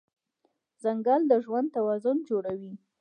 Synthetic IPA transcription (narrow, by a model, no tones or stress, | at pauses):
z̥aŋɡɑld̪əʒwan̚t̪awɑzʊnd͡ʒoɽawi